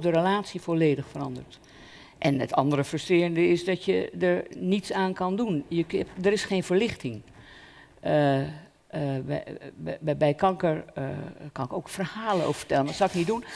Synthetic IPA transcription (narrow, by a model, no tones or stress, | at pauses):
dəɾəlaːtsifoleːdəxfərɑndəɹt | ʔɛnətɑndərəfrɵstrɪːrəndəɪsdɔtjədəɹnitsaːnkɑndunjədəɾɪsχeːnfəɹlɪxtɪŋ | bɛbɛjkɑŋkəɹ | kɑnɪkowkfərhaːləo̰ːffə̥tɛlənʋatsɔwɪknidun